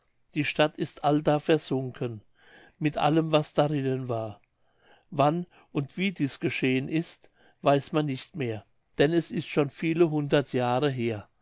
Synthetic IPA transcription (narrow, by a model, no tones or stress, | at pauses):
d̥iːʃtatʰɪstʔaldaːfɛɐz̥ʊŋkʰən | mɪtʔa̰ləmvasd̥aʁɪnənvaːɐ | van | ʔʊntv̥iːdiːsɡ̥əʃeːənʔɪst | v̥aɪsmanːɪçtmeːɐ | d̥ɛnɛsɪstʃoːnfiːləɦʊndɐtʰjaːʁəɦeːɐ